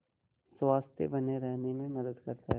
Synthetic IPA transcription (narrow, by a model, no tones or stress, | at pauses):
swaːst̪jḛbɐneɾɛɦnemẽmɐd̪əd̪kɐɾt̪aɦɛ